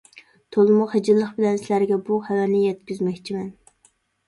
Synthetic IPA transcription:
t̪ʰolˠɨmʊχed͡ʒɪlˠːəχbɪlɛnsɪlæɾɡʲɛbuhæwɛnɪjɛt̪kʲyzmɛkʲt͡ʃʰimɛn

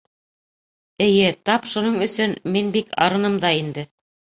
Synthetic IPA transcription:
ɘ̆jɘt̪ɑpʃunoɴɵ̆sɵnminbikɑ̰ɾɤ̆nɤmd̪ɑind̪ɘ

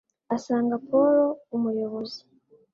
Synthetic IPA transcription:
asaːŋɡapʰoɾoumujoβozi̥

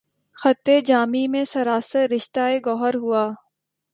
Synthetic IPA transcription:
xɐt̪ːed͡ʒaːmimẽsɐɾaːsəɾɪʃt̪aeɡɔːɦəɾɦuaː

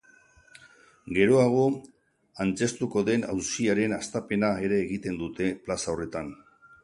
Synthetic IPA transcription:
ɡe̞ɾo̞aɣ̞o̞ | ant͡se̞st̪uko̞ðe̞na̰wsiaɾe̞nast̪ape̞nae̞ɾe̞ːɣ̞it̪e̞nd̪ut̪e̞plasao̞re̞t̪an

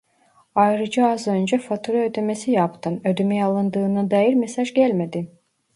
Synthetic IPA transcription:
ɑjɾɯd͡ʒɯɑzø̞nd͡ʒɛfot̪ʰuɾaød̪emesijɑpt̪ʰɯnød̪ymɛjalˠɯnd̪ɯːnɯd̪ɑjiɾmesɑʒɟælʲmed̪i

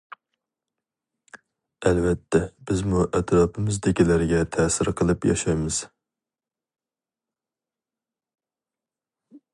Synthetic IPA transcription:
ɛlvɛt̪ʰːɛbɪzmuʔɛt̪ʰɾɑpʰɨmɨzd̪ɪkʲilæɾɡʲɛt̪ʰɛːsɪɾqʰəlˠɨpjɑ̰ʃɑjmɨz̥

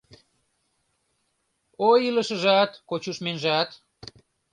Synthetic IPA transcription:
ojilə̆ʃə̆ʒɑt̪kot͡ɕuʃmenʒɑt̪

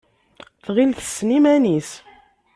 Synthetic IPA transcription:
θʁilθə̥sːnimænis

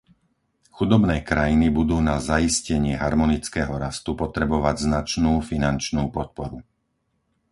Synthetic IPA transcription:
xud̪ɔbnɛːkɾajinibud̪uːnazaiscɛɲɪɛɦaɾmɔnit͡skɛːɦɔɾast̪upɔt̪ɾɛbɔʋaɟznat͡ʃnuːfinant͡ʃnuːpɔt̪̚pɔɾu

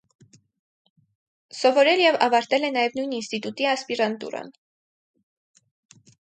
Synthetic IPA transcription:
sɔvɔɾɛljɛvɑ̰vɑɾt̪ɛlɛnɑjɛvnujninst̪it̪ut̪iɑspiɾɑnt̪ṵɾɑ̰n

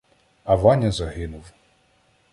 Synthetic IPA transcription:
ɐʋɑnʲɐzɐɦɪnʊw

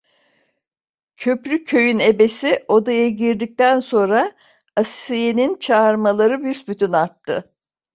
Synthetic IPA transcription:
cʰø̞pɾʲycʰːø̞jyne̞be̞siʔo̞d̪ajaɟiɾd̪ic̚t̪ænso̞nɾa | asejenint͡ʃʰaːɾmalˠaɾɯbysbyt̪ʰynaɾt̪ʰːɯ̰

